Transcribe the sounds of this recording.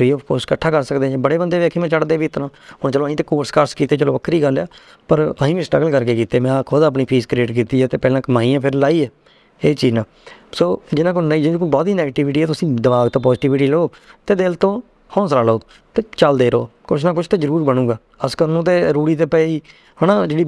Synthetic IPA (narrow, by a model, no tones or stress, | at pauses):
iːəpkoːɾskəʈʰːaːkəɾsəkd̪ẽːbəɽeːbənd̪eːʋeːkʰeːmɛ̃ːt͡ʃəɽd̪eːʋiːɪt̪ɾãːɦʊɳt͡ʃəlõːĩːt̪̬eːkoːɾskəɾskiːt̪eːt͡ʃəlõːʋəkʰːɾiːɡəljaː | pəɾəĩːʋĩːsʈɾəɡəlkəɾkeːkiːt̪eːmɛ̃ːkʰoːd̪aːp̬ɳiːpʰiːskɾeːʈk̬iːt̪iːɛːt̪eːpɛːlãːkəmaːiːãːpʰɪɾlaːiːɛː | eːt͡ʃiːd͡ʒãː | soːd͡ʒɪnãːk̬ʊnaːiːd͡ʒɪĩːkbɔːt̪ɦiːnɛːɡʈiʋɪʈiːɛːt̪ʊsĩːd̪əʋaːɡt̪õːpɔːzɪʈiːʋɪʈiːləoː | t̪eːd̪elt̪õː | hɔ̃ːsɾaːlooː | t̪eːt͡ʃəld̪eːɾo̰ːkʊt͡ʃʰnãːk̬ʊt͡ʃʰt̪eːzəɾuːɾbənũːɡaː | əskəɾnõːt̪̬eːɾuːɽiːt̪̬eːpɛːiː | ɦənãːd͡ʒeːɽiː